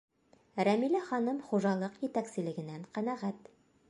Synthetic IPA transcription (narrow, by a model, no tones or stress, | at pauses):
ɾæmilæχɒnɤmχuʒɑlˠɤqjɘ̆t̪æksɘ̆lɘ̆ɡɘ̆næɴqænæʁæt̪